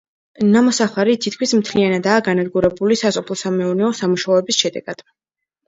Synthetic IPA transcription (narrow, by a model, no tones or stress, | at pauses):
namɔsaχaɾit̪ʰit̪kʰwismt̪ʰlianad̪aːɡanad̪ɡuɾɛbulisasʼɔpʰlˠɔsamɛɔɾnɛɔsamuʃaɔɛbisʃɛd̪ɛ̰ɡ̥ad̪̥